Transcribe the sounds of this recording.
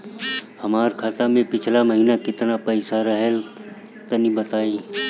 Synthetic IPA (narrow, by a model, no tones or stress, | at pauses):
həmaːɾkʰaːt̪amẽpɪt͡ʃʰlaməɦiːnakɪt̪napəɪsaɾəɦɛl | t̪nibət̪aːiː